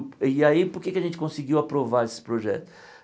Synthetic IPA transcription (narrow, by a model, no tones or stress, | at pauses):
aipoɾkekɪɐʒẽnt͡ʃɪ̥kõsɪɡiwapɾovaɾesɪ̥pɾoʒɛ̰t̪ʊ̥